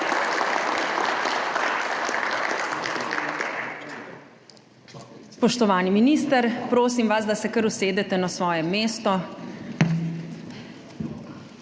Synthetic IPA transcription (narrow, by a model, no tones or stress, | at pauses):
spɔʃt̪ɔʋaːniminiːst̪əɾpɾoːs̬imʋazd̪asɛkəɾuseːd̪ɛt̪ɛnasʋɔːjɛmːeːst̪ɔ